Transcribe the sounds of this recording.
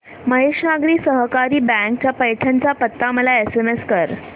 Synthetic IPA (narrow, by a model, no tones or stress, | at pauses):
məɦeʂnaɡɾiːsəɦkaɾiːbæ̃ŋk̚t͡ɕjapəjʈʰaɲt͡ɕjapət̪ːaməlaesemeskəɾ